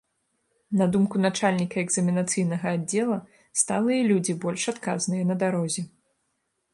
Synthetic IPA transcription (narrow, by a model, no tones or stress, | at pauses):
nɐd̪umkunat͡ʂalʲnʲikɐɛɡzɐmʲinat̪sɨjnɐɣɐadd͡zʲːɛlˠɐ | st̪alˠɨjɐlʲud͡zʲibɔlʲʂat̪ka̰znɨjɐnɐd̪aɾɔzʲɛ